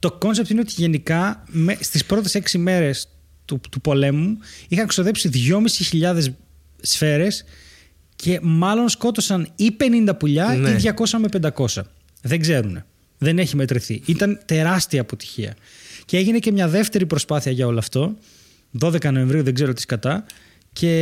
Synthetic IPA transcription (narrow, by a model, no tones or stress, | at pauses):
t̪o̞ko̞nsep̚t̪ine̞o̞t̪iʝe̞nikɐmest̪ispɾo̞t̪̬e̞se̞ksime̞ɾe̞s | t̪ut̪upo̞le̞muixɐŋku̥st̪oðe̞psiðʝo̞misiçiʎɐðes | sfe̞ɾe̞s | cʰe̞mɐlo̞nsko̞t̪o̞sɐnipe̞nind̪ɐpuʎɐiðʝɐko̞sɐmepe̞nd̪ɐko̞sɐ | ðeŋɡze̞ɾune̞ | ðe̞neçime̞t̪ɾiθiit̪ɐnt̪e̞ɾɐst̪iɐːpo̞t̪i̥çiɐ̰ | cee̞ʝine̞cemɲɐðe̞ft̪e̞ɾipɾo̞spɐθiɐʝɐo̞lɐːft̪o̞ | ðo̞ðe̞kɐno̞e̞ɱvɾiuðe̞ɡze̞ɾo̞t̪i̥skɐt̪ɐ | cʰe̞